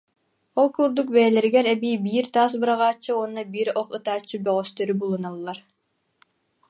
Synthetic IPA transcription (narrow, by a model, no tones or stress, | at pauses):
ɔlˠkuɾd̪uk̚bɛjɛlɛɾiɡɛɾɛbiːbiːɾt̪aːs̬bɯɾaʁaːt͡ɕːɯuɔnːɔbiɾɔχɯt̪aːt͡ɕːɯbœʁœst̪œɾybulˠunalˠːaɾ